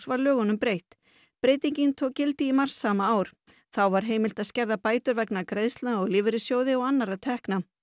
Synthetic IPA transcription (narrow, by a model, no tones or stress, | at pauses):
svaɾlœːɣʏnʏmpɾejht̪ | pɾeːjt̪iɲcɪnt̪ʰɔːkcːɪlt̪ɪimar̥sːaːmaaːwɾ̥ | θawvaɾ̥ɦeːjmɪl̥t̪aðscɛɾðapaːjt̪ʏɾvɛknakɾejðst̪laɔɣlɪːvɪɾɪsjoːwðɪɔɣanːaɾat̪ʰɛhkna